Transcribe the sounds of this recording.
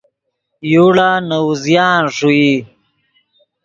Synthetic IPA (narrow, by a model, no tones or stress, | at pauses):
juɽaːnawuzjaːnʂui